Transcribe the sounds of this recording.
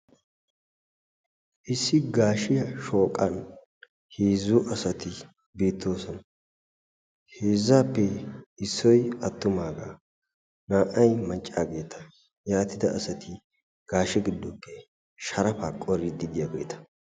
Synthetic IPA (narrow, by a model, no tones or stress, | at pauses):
ʔɪsːɪɡaːʃɪjɐʃo̞ːkʼɐn | heːzʊʔɐsɐt̪ɪ | biːt̪ːo̞ːsɔnɐ | heːzːaːpːɛɪsːɔjɐt̪ːʊmaːɡaː | naːʔɐjmɐnt͡ʃʼːaːɡe̞ːt̪ɐ̥ | jaːt̪ɪd̪ɐːsɐt̪ʰɪ | ɡ̥aːʃɛɡɪd̪ːɔpʰːɛ | ʃɐɾɐfaːkʼɔɾɪd̪ɪd̪ɪjɐɡɔjt̪ɐ̥